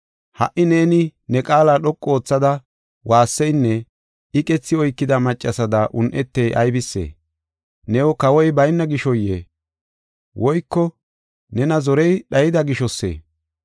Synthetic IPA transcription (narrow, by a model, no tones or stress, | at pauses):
hɐ̰ʔɪne̞ːnɪnɛkʼaːlaːɗɔkʼːo̞ːt͡sːɐd̪ɐ | waːsːɛjnːɛ | ɪkʼɛt͡sːɪɔjkːɪd̪ɐmɐt͡ʃʼːɐsɐd̪ɐʔʊnʔɛt̪ːɛjʔɐjbɪsːḛː | nɛwɔkɐwɔjbɐjnːɐɡɪʃɔjḛː | wʔɔjkːɔ | nɛnɐzɔɾɛjɗɐjɪd̪ɐɡɪʃɔsːḛː